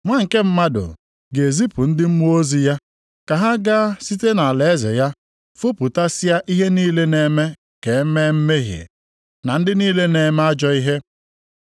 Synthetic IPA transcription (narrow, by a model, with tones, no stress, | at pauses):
ŋʷa˦ŋ̩˨ke˦m̩˦ma˦dʊ̰˨ | ɡe˨zi˦pʊ˨n̩˦dɪ˦m̩˦mu˦o˦zi˦ja˦ | ka˨ɦa˦ɡa˦si˦te˦na˨le˨e˦zḛ˨ja˦ | fʊ˦pu˨ta˦sɪ˦a˦ʔi˦ɦe˦niː˦le˦ne˨me˦ | ke˨˦me˦m̩˦me˦ɦjḛ˨ | na˨n̩˦dɪ˦niː˦le˦ne˨me˦a˦d͡ʒɔ˦i˦ɦe˦